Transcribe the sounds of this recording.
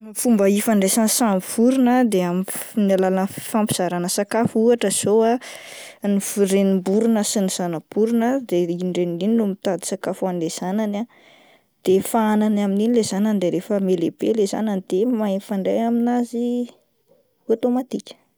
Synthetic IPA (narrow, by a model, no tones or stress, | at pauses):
fumbəifaɳɖ͡ʐesansamfuɾunəd̪eamnalalənfampi̥z̥aɾanəsakafuaʈ͡ʂəz̥oa | nifuɾenimbuɾunəsiniz̥anab̥uɾunəd̪eiɳɖ͡ʐeniininumit̪ad̪i̥sakafanilez̥anana | d̪̥efaananamininilezananid̪eɾefəmeleb̥eleza̰nanid̪̥emaefaɳɖ͡ʐḛjaminazi | ot̪omat̪ikʲə̥